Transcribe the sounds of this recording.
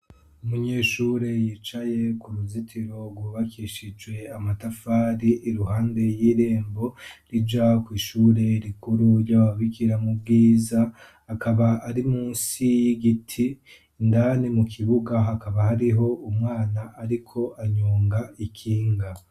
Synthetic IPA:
umuɲe̞ːʃuɾe̞jiːt͡ʃaje̞kuɾuzitʰiɾo̞ɾɡwuβakiːʃid͡ʒwe̞amatafaːɾiʔiɾuhaːnde̞jiːɾe̞ːmbo̞ɾid͡ʒakwiːʃuːɾe̞ɾikuɾuɾjawaβikiɾamub̚ɡiːza | akʰaβaaɾimuːnsijiɡitʰi | ndaːnimukʰiβuɡaɦakaβahaɾiɦo̞umŋaːnaʔːɾikʰo̞ʔaɲuːŋɡaikʰiːŋɡa

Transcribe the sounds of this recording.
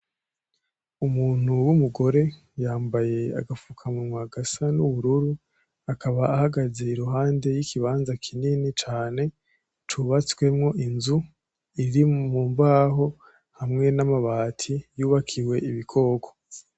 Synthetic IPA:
umuːn̥huwumuɡo̞ɾe̞ | jaːmbaje̞a̰ɡafukʰamŋumwaɡasanuβuɾuɾu | akʰaβaːhaɡaze̞iɾuɦaːnde̞jikʰiβaːnzakʰininit͡ʃaːne̞ | tʰuβat͡swe̞mŋo̞ʔinzu | iɾimuːmbaɦo̞ | hamŋe̞namaβaːtʰijuːβakʰiwe̞iβikʰo̞ːɡo̥

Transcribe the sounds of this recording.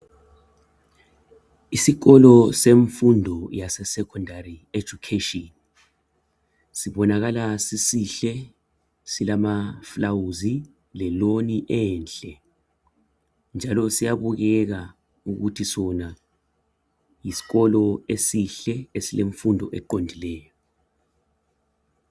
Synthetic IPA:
isiɣɔlɔseɱfundʱɔjasɛsɛkʰɔndarie̥d͡ʒ̥ʱukʰeʃiɔn | siβɔnaɣ̬alasisiɬɛ | silamaflawuzi | lɛloniʔɛːnt͡ɬʼɛ | nd͡ʒʱalɔsijaβuɣɛk̬a | uɣutʰisɔna | jisi̥kɔlɔesiɬɛesileɱfundʱɔ̰ʔɛ̰ǃondʱilɛːjɔ

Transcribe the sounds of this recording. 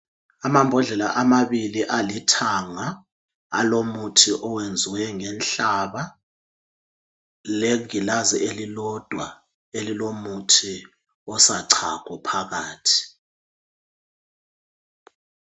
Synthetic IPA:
amambʱɔɮɛlaʔamaβiliʔalitʰaŋa | a̰lomutʰiʔɔwend͡zʱiwɛŋɛnɬaβa | leŋilazɛʔelilɔd̥ʱwa | elilomutʰi | ɔsaǀʰa̰kʰɔpʰaɣaːtʰi̥

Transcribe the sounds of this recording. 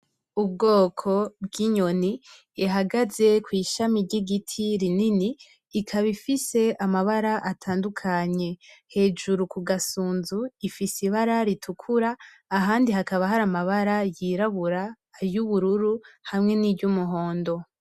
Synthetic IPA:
ub̚ɡo̞ːkʰo̞b̚ɡiɲo̞ni | iɦaɡaze̞kwiːʃamiɾɟiɡitʰiɾininiː | kʰaβifise̞amaβaɾaʔatʰaːndukʰaɲe̞he̞ːd͡ʒuɾukuɡasuːnzuifisiβaɾaɾitʰukʰuɾaː | ɦaːndiɦakaβaɦaɾamaβaɾajiɾaβuɾa | juβuɾuɾuhamŋe̞nibɟumuɦo̞ːndo̞

